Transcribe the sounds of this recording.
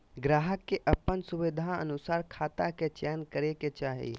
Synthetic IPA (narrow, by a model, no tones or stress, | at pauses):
ɡɾaːɦəkːeʔəpːənsʊʋid̪ʱaə̰nʊsaːɾkʰaːt̪aket͡ʃɛːnkəɾeket͡ʃaːɦḭ